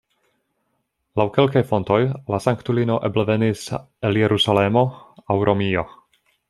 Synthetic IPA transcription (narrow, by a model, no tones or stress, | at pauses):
lawke̞lkajfo̞nto̞jlasaŋktulino̞ʔeblevenis | eljeɾʔusalemo̞awɾʔo̞mio